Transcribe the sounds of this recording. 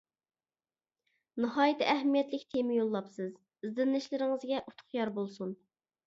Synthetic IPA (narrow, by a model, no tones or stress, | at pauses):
nɨhɑːjit̪ʰːɛæɦmijɛt̪lɪkʲt̪ʰemɪjolˠːɑpsɨz | ɪzd̪ɪnlɪʃlɪɾɪŋɨzɡʲɛʔut̪ʰʊ̥χjɑɾbolˠsun